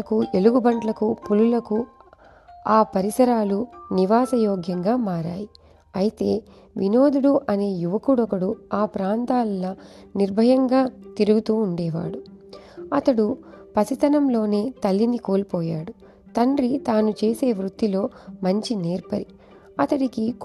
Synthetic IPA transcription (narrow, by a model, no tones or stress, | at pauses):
ɐkue̞luɡubɐɳʈlɐkupululɐku | aːpɐɾisɐɾaːluniʋaːsɐjɔːɡjɐŋɡaːmaːɾa̰ːji | ɐjit̪e̞ː | ʋino̞ːd̪uɽuʔɐne̞ːjuʋɐkuɽɔkɐɽuaːpɾaːnt̪aːlɐnɐniɾbʱɐjɐŋɡaːt̪iɾuɡut̪uːɳɖɛːʋa̰ːɽu | ɐt̪ɐɽupɐsit̪ɐnɐmlo̞ːne̞ːt̪ɐlːinikoːlpɔːjaːɽu | t̪ɐɳɖɾit̪aːnut͡ʃe̞ːse̞ːʋɾut̪ːilo̞ːmɐɲt͡ʃineːɾpɐɾi | ɐt̪ɐɽiki